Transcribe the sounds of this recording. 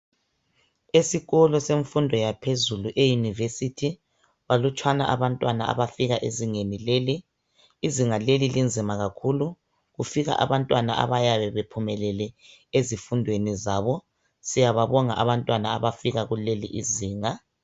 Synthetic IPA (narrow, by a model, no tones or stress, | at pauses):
esiɣɔlɔseɱfundʱɔjapʰezuluʔejunivesitʰi | walut͡ʃʰʼwana̰ʔaβantʼwanaʔa̰βafiɣaʔeziŋenileliː | ziŋalelilind͡zʱimaɣakʰulu | ɣufiɣa̰ʔa̰βantʼwana̰ʔa̰βajaβɛβepʰumɛlɛlɛezifundʱwenizaβɔ | sijaβaβɔŋa̰ʔaβantʼwanaaβafiɣaɣuleliʔiziːŋa